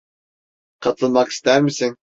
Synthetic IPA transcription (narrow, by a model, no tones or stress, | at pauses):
qʰɑt̪lˠɨnmɑqi̥st̪æɾmɪsɪŋ